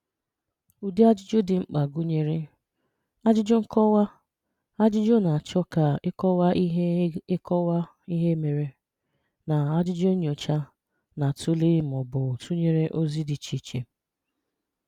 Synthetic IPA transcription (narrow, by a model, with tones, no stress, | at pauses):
u˨di˦a˦d͡ʒɪ˦d͡ʒo˦dɪ˨ŋ͡m̩˦k͡pa˨ɡu˦ɲe˨ɾe˦ | a˦d͡ʒɪ˦d͡ʒo˦ŋ̩˦kɔ˦wa˦ | a˦d͡ʒɪ˦d͡ʒo˦na˨t͡ʃɔ˦ka˨ɪ˦kɔ˦wa˦ʔɦɪ˦kɔ˦wa˦ | i˦ɦe˦me˨ɾe˦ | na˨a˦d͡ʒɪ˦d͡ʒo˦ɲ˨o˨t͡ʃa˦ | na˨tʊ˦li˦m˨ɔ˨bʊ˨tu˦ɲe˨ɾe˦ʔo˦zi˦dɪ˨t͡ʃi˨t͡ʃe˨